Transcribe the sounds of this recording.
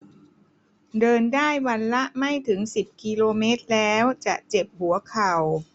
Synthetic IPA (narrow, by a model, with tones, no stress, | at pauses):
dɤː˧ndaː˥˩jwa˧nla˦˥ʔma˥˩jt̪ʰɯ˩˦ŋsi˨˩p̚kiː˧loː˧meː˦˥t̪̚lɛː˦˥wt͡ɕa˨˩ʔt͡ɕe˨˩p̚hu˨˩˦ɐkʰa˨˩w